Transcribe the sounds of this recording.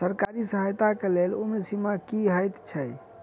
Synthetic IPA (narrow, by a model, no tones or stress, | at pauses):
səɾkaɾisəɦəjt̪akelelumnsimakiɦəjt̪t͡ʃʰəj